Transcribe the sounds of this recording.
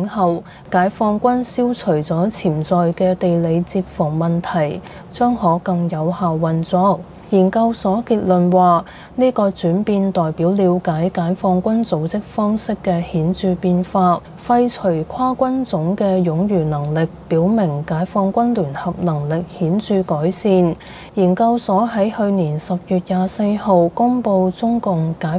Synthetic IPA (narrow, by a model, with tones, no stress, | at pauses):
ɐ˨w | kaː˨˥jfɔː˧ŋkʷɐ˥nsiː˥wt͡sʰɵ˨˩ɥt͡sɔː˨˥t͡sʰiː˨˩mt͡sɔː˨jkɛː˧t̪e˨jle˨˧jt͡siː˧p̚fʊ˨˩ŋmɐ˨nt̪ʰɐ˨˩j | t͡ʃœː˥ŋhɔː˨˥kɐ˧ŋjɐ˨˧whaː˨wːɐ˨nt͡sɔː˧˥ | jiː˨˩nkɐ˧wsɔː˨˥kiː˧t̚lɵ˨nwaː˨ | niː˥kɔː˧t͡syː˨˥npiː˧nt̪ɔː˨jpiː˨˥wliː˨˧wkaː˨˥jkaː˨˥jfɔː˧ŋkʷɐ˥nt͡so˨˥wt͡sɪ˥k̚fɔː˥ŋsɪ˥kːɛ˧hiː˨˥nt͡syː˧piː˧nfaː˧t̚ | fɐ˧jt͡ʃʰɵ˨˩ɥkʰwaː˥kʷɐ˥nt͡sʊ˨˥ŋkɛː˧jʊ˨˥ŋjyː˨˩nɐ˨˩ŋlɪ˨k̚piː˨˥wmɪ˨˩ŋkaː˨˥jfɔː˧ŋkʷɐ˥nlyː˨˩nhɐ˨p̚nɐ˨˩ŋlɪ˨k̚hiː˨˥nt͡syː˧kɔː˨˥jsiː˧n | jiː˨˩nkɐ˧wsɔː˨˥ɦɐ˨˥jhɵ˧ɥniː˨˩nsɐ˨p̚jyː˨t̚jaː˨se˧jho˨wkʊ˥ŋpo˧wt͡sʊ˥ŋkʊ˨ŋkaː˨˥